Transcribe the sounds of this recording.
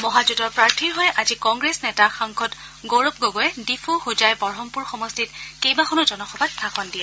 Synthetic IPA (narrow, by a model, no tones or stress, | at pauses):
mɔɦad͡ʒutɔɹpɹaɹtʰiɹɦɔjʔazikɔŋɡɹesnɛtaxaŋkʰɔt | ɡoɹop̚ɡoɡɔjɛdipʰuxud͡ʒajbɔɹɦɔmpuɹxɔmɔstitkejbaxʰɔnʊd͡ʒɔnɔxʰɔbat̚tʰaxɔndiɛ